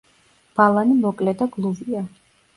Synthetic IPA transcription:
b̥alˠanimɔkʼlɛd̪aɡlˠuvia

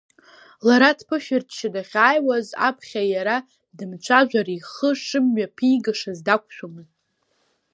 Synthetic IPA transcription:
laɾatʰpʰɨʃᶣɪrtʰʃɪdaχʲaːjwaza̰pʰχʲajaɾa | dɨmt͡ʃʷʰaʒʷaɾiχəʂɨmɥapʰijɡɨʂazdakʷʰʼʃᶣomɨz

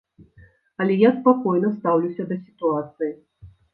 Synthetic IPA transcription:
ɐlʲɛjaspakɔjnɐst̪awlʲusʲɐd̪ɐsʲi̥t̪uat̪sɨji

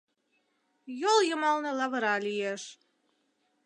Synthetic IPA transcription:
jolˠjə̆mɑlˠnɤ̆lˠɑβə̆ɾɑlʲijeʃ

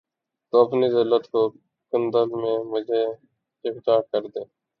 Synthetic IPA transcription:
t̪oːpʰniːzeːləʈ̪koː | kənd̪əlmẽːməd͡ʒeː | ɪkʈ̪aːkəɾd̪eː

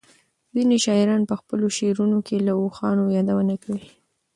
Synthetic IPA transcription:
ziniʃɑɪɾɑnpəxpəloʃeɾunokʰelaoxɑnojɑd̪awənakawi

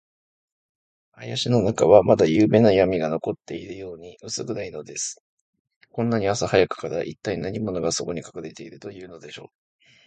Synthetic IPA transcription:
ajaɕino̞nakaβ̞amad̪ajɯːbẽ̞nːajamʲiɡano̞ko̞t̪ːe̞iɾɯ̟jo̞ːɲ̟iɯ̟sɨɡɯ̟ɾaino̞d̪e̞sɨ̥ | kõ̞nːaɲ̟iasahajakɯ̟̥kaɾaʔit̪ːainaɲ̟imo̞no̞ɡaso̞ko̞ɲ̟ikḁkɯɾe̞t̪e̞iɾɯ̟t̪o̞jɯ̟ːno̞d̪e̞ɕo̞̰ː

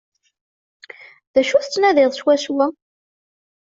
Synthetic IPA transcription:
ðæʃuθt͡sːnæðɪðˤʃwæswæ

